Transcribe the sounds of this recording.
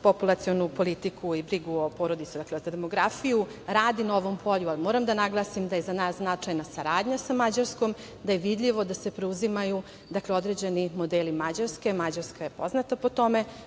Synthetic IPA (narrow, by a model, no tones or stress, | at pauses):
po̞pulˠat̪sionupo̞lit̪ikʰuibɾiɡuopo̞ɾod̪it̪sud̪aklezad̪emo̞ɡɾafiju | ɾaːd̪inaoʋo̞mpʰo̞ʎualimoːɾamd̪anaɡlˠaːsimd̪ajezanaːsznat͡ʂajnasaɾaːd̪ɲasamad͡ʑaɾskom | d̪ajeʋid̪ʎʲiʋo̞d̪ase̞pɾeuzimaju | d̪akleo̞d̪ɾed͡ʑe̞nimo̞d̪eːlimad͡ʑaɾske̞mad͡ʑaɾskajepo̞znat̪apo̞t̪o̞me